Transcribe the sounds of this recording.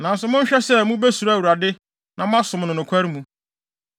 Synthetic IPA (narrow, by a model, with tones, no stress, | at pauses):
nã˨n̩˦sʊ˨mʊ̃˦ɲ̩˦ɕᶣɛ˦sɛ˦mũ˦be˦su˨ɾa˦˨wu˨ɾa˨dɪ˦ | nã˨mʊ̃˦a˦sʊ̃˨m˨nʊ̃˨nʊ̃˨kʷʰæ˦ɾi˦mũ˨